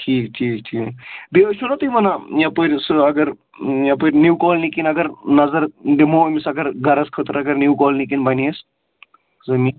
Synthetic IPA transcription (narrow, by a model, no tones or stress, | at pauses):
ʈʰiːk̚ʈʰiːkʈʰiːd̪eʋɐt͡ʃʰunɐt̪ɨʋɐnajãpəɾʲsɐɡɐɾ | jãpəɾʲnuwkɔːlnikinɐɡɐɾnɐzɐɾɖimoːmisɐɡɐɾɡɐɾɐskʰət̪ɾɐɡɐɾnukɔːlnikinbɐniɐs | zɐmi